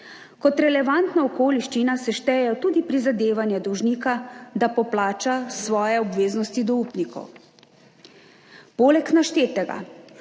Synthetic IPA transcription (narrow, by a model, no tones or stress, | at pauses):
kɔt̪ɾɛlɛʋant̪naɔkoːliʃt͡ʃinasɛʃt̪ɛjɛjɔt̪uːd̪ipɾizad̪eːʋanjɛd̪ɔwʒniːkad̪apɔplaːt͡ʃasʋɔːjɛɔbʋeːznɔst̪id̪ɔuːpnikʰɔ̰w | poːlɛknaʃt̪eːt̪ɛɡa̰